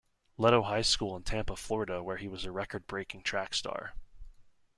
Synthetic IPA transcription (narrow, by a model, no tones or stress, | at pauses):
lɛɾoʊɦaɪskulˠə̃ntʰæ̃mpəflɔɹɨɾəwə˞iwʌzəɹɛkə˞d̚bɹeɪkɪ̃ŋtʰɹ̥ækstɑ̰ɹ